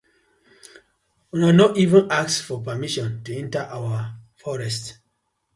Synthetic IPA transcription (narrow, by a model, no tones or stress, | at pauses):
unanɔivũnaksfɔpamiʃɔ̃ntuɛ̃ntaʔawafɔɹɛst